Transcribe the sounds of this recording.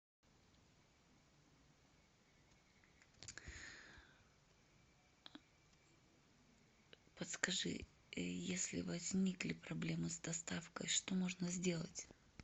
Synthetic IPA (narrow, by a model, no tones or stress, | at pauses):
pət̪skɐʐɨ̰ | jesʲlʲɪ̰vɐzʲnʲiklʲɪpɾɐblʲe̞mɨsd̪ɐst̪afkə̰jʂt̪o̞mo̞ʐnəzʲdʲe̞lˠə̰tʲ